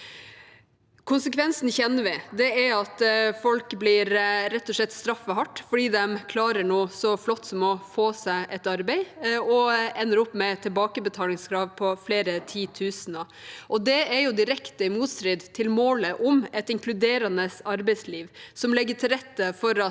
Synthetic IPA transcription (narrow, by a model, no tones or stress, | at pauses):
kʰʊnsəkʰʋɛnsn̩çɛnːəʋɪd̪ɛæɾɑt̪fɔlkbliːɾɾɛt̪ːɔʂlɛt̪ːst̪ɾɑfːəɦɑʈːfɔɖiːd̪ɛmkʰlɑːɾəɳoːsɔflɔt̪ːsɔmɔfoːsæɪʔɛt̪ɑɾbɛɪɔɛnːəɾɔpːmɛt̪ʰɪlbɑːkəbət̪ʰɑːlɪŋskʰɾɑːʋpʰɔfleːɾət̪ʰiːt̪ʰʉːsənə | ʔɔd̪ɛæɾjʊd̪ɪɾɛkt̪əɪmuːt̪st̪ɾɪd̪t̪ʰɪlmoːləʔʊmɛt̪ɪŋklʉd̪eːɾɑnəsɑɾbɛɪsliːʋsɔmlɛɡːəʈʰɪlɾɛt̪ːəfɔɾɑ